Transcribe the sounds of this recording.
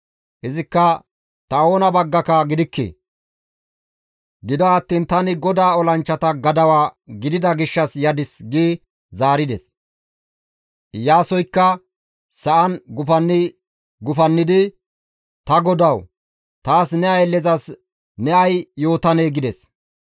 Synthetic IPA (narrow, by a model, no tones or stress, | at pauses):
hɛzɪkːɐ | t̪ɐo̞ːnɐbɐɡːɐkɐɡɪd̪ɪkːḛː | ɡɪd̪ɔɐt̪ːiːnt̪ɐnɪɡɔd̪aːɔlɐnt͡ʃːɐt̪ɐɡɐd̪ɐwaːɡɪd̪ɪd̪ɐɡɪʃːɐsjɐd̪ɪsɡiː | zaːɾɪd̪ɛ̰s | jaːsɔjkːɐ | sɐʔɐnɡʊfɐnːɪ | ɡʊfɐnːɪd̪ɪ | t̪ɐɡɔd̪ɐw | t̪aːsnɛɐjlɛzɐs | nɛɐjjo̞ːt̪ɐneːɡɪd̪ɛs